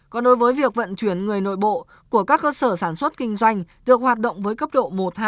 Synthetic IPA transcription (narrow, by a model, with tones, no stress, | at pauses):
kɔ˨˦nɗo˨˦jvəː˨˦jvi˨˩ək̚və̰˧˨nt͡ɕwi˨˦˩ənŋɨ˨˩əjno̰˧˨jɓo̰˧˨ | ku˧˩əkaː˦˥kːəː˧səː˧˩saː˧˩nswə˦˥t̚kï˧ŋ̟zwa˧jŋ̟ɗɨ˨˩ək̚hwaː˨˩t̚ɗə̰˧˨wŋ͡mvəː˨˦jkə˦˥p̚ɗo̰˧˨mo˨˩t̚haː˧˦